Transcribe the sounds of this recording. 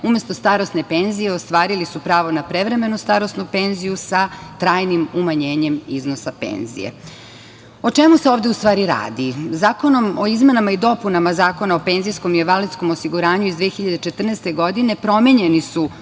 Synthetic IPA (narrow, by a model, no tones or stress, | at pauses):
ume̞st̪o̞st̪aɾosne̞penzijeost̪ʋaːɾilisupɾaːʋo̞napɾeʋɾe̞me̞nust̪aɾosnupe̞nzijusat̪ɾaːjnimumaɲeːɲe̞miznosapḛnzḭjḛ | o̞t͡ʂemuse̞o̞ːʋd̪eust̪vʋaːɾiɾa̰ːd̪izaːko̞no̞moizme̞namaid̪o̞punamazaːko̞naope̞ːnzijsko̞mieʋalit̪sko̞mosiɡuɾaːɲuizd̪ʋeːxiʎad̪et͡ʃet̪r̩nest̪e̞ɡod̪ine̞pɾo̞meɲe̞nisu